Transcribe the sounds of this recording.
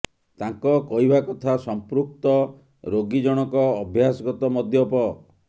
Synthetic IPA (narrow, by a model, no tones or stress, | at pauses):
t̪aŋkɔkɔɦibakɔt̪ʰasɔmpɾuk̚t̪ɔ | ɾoɡid͡ʒɔɽ̃ɔkɔːbʱjasɔɡɔt̪ɔmɔd̪ʱjɔpɔ